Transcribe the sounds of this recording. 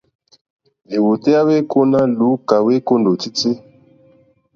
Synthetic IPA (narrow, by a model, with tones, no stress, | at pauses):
li˨wo˨te˦a˦we˦ko˦na˦lu˨˦ka˨we˦ko˦ndo˨ti˦ti˦